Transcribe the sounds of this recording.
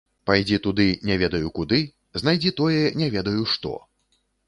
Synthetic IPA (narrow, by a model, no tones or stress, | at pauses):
pajd͡zʲit̪ud̪ɨnʲɛvʲɛd̪ɐjukud̪ɨ | znajd͡zʲit̪ɔjɛnʲɛvʲɛd̪ɐjuʂt̪ɔ̰